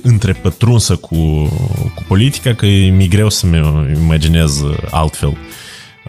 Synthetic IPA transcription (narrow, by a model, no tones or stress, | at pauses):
ɨnt̪ɾe̞pət̪ɾunsəkʰu | kupo̞lit̪i̥kakəmiɡɾe̞wsəmeimad͡ʒine̞za̰lt̪fe̞̰l